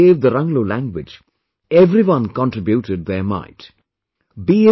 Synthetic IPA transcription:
eːvd̪əɾʌ̃ŋɡloːlæ̃ŋɡwɪd͡ʒ | ɛvɾiwʌ̃nkɔ̃nʈɾɪbjuʈɪɖ̚ðəmã̰ɪt | biːɪ

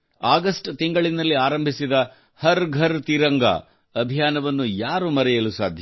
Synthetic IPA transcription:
aːɡɐsʈt̪iŋɡɐɭinɐlːiaːɾɐmbʱisid̪ɐ | hɐɾɡʱɐɾt̪iɾɐŋɡɐ̰ | ɐbʱijaːnɐʋɐnːujaːɾumɐɾɛjɐlusa̰ːd̪ʱj

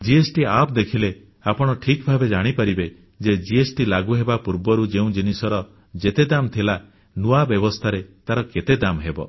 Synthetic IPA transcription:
d͡ʒiesʈiap̚d̪ekʰile | apɔɽ̃ɔʈʰikbʱabed͡ʒaɽ̃ipaɾibe | d͡ʒed͡ʒiesʈilaɡuɦebapuɾbɔɾud͡ʒeũd͡ʒinisɔɾɔ | d͡ʒet̪ed̪amt̪ʰila | nuabjɔbɔst̪ʰaɾet̪aɾɔket̪ed̪amɦebɔ̰

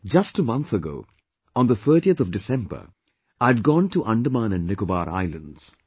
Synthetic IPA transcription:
d͡ʒʌsʈəmʌ̃nt̪ʰəɡo̰ʊ | ɔ̃nðəθʰɜːʈiət̪ʰɔʋɖɪsɛ̃mbə̰˞ | aɪɖ̚ɡɔ̃ːnʈuʔʌ̃ɳɖəmãːnɨ̃nːɪkəba̰ːɾa̰ɪlə̰̃ndz̥

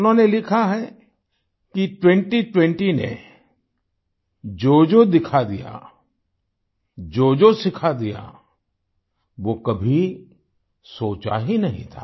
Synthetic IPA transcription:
ʊnɦõːnelɪkʰaɦɛ | kiʈwɛ̃ɳʈiʈwɛ̃ɳʈinḛ | d͡ʒoːd͡ʒod̪ɪkʰad̪ija̰ | d͡ʒoːd͡ʒosɪkʰad̪ija̰ | ʋokɐbʱi | soːt͡ʃa̰ɦinɐɦḭ̃t̪ʰa̰ː

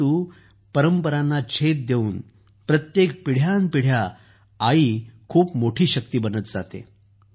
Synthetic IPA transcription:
uː | pəɾəmpəɾanːat͡ɕʰet̪̚d̪euːn | pɾət̪jekpiɽ̤ʱjanpiɽ̤jaː | iːkʰuːpmoʈʰiːɕək̚t̪iːbənət̪d͡za̰t̪ḛ

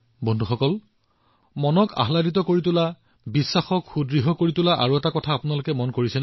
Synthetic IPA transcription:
bondʱuxɔkɔl | mɔnɔka̰ɦladit̬ɔkoɹitʊla | bisːaxɔkxudɹiɦɔkoɹitʊlaʔa̰ɹuɛtakɔtʰaːpʊnalʊkɛmɔnkoɹisɛn

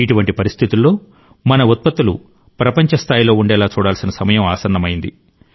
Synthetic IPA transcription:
iʈuʋɐɳʈipɐɾist̪ʰit̪ulːo̞ː | mɐnɐut̪̚pɐt̪ːulṵ | pɾɐpɐɲt͡ʃɐst̪ʰaːjlo̞ːuɳɖɛːlaːt͡ʃuːɽaːlsinɐsɐmɐjɐmaːsɐɾnːɐmɐjind̪i

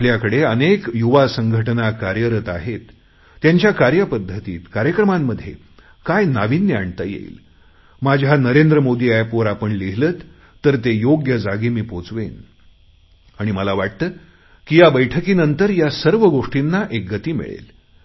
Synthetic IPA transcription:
apljakəɽeənekjuʋasəŋɡʱəʈənakaɾjəɾət̪a̰ɦet̪ː | jaɲt͡ɕjakaɾjəpəd̪ʱːət̪iːt̪kaɾjəkɾəmamːəd̪ʱːjḛ | kajnaʋinjəaɳt̪əjḛḭːl | mad͡ʑʱanəɾend̪ɾəmod̪iːajpoɾapəɳliɦləːt̪ː | əɾt̪ejoɡjəd͡zaɡiːmiːpot͡sʋḛn | aɽ̃iməlaʋaʈ̚t̪əː | kijabəjʈʰəkiːnənt̪əɾjasəɾʋəɡoʂʈinːaʔek̚ɡət̪iːmḭɭḛl

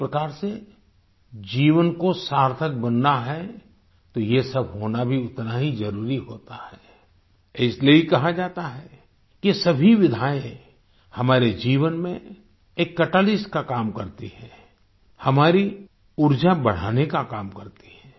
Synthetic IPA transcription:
pɾɐkaːɾse | d͡ʒiːʋənkosaːɾt̪ʰək̚bɐnːaɦɛ | t̪ojesɐbʱɦoːnabʱiʊt̪naɦizɐɾuːɾiɦoːt̪ahɛː | ɪsleikɐɦad͡ʒaːt̪aɦɛː | kisɐbʱiʋɪd̪ʱaːẽ | hɐmaːɾed͡ʒiːʋənmḛ̃ | eːkːɐʈaːlɪsʈkakaːmkɐɾt̪iɦɛ̃ː | hɐmaːɾi | ʊɾd͡ʒabɐɽ̤a̰ːnekakaːmkɐɾt̪i̥ɦɛ̃ː

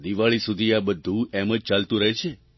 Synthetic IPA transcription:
d̪iʋaɭisud̪ʱiabəd̪ʱːũeməd͡ʒt͡ʃalt̪ũɾəɦet͡ʃʰe

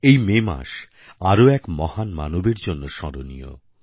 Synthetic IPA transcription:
ejmema̰ʃ | aɾoɛkmɔhanma̰nobeɾd͡ʑonːoʃɔɾonḭjo̰

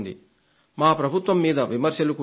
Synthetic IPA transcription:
nd̪ḭ | maːpɾɐbʱut̪ʋɐmːiːd̪ɐʋimɐɾʃjɐluku

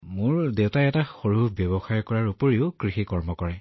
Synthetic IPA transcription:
mʊɹdewtaɛtaxoɹubjɔbɔxajkɔɹaɹupoɹiʊkɹixikɔɹmɔkɔɹɛ

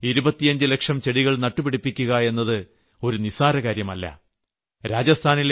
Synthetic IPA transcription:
iɾubɐt̪ːijɐɲd͡ʑɨle̞kʂɐmt͡ɕe̞ɽiɣɐɭnɐʈːupiɽipːikʲːuɣɐe̞nːɐðɨ | o̞ɾunisaːɾɐɣaːɾjɐmɐlːɐ̰ | ɾaːd͡ʑɐst̪ʰaːnil

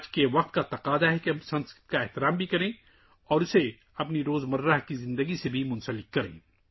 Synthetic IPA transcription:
d͡ʒkeʋɐq̚t̪kat̪ɐqaːd̪aɦɛkeɐmsɐ̃nskɾɪ̥t̪kaɛht̪ɪɾaːmbʱikɐɾẽː | ɔːɾʊse | ɐpniɾoːzmɐɾːaɦkizɪ̃nd̪əɡisebʱimʊ̃nsəlɪkkɐɾḛ̃ː

